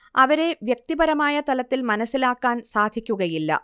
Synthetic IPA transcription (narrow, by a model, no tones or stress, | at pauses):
ʔɐʋɐɾeʋjɐk̚t̪ibɐɾɐmaːjɐt̪ɐlɐt̪ːilmɐnɐsːilaːkːaːnsaːd̪ʱikʲːuɣɐjilːɐ̰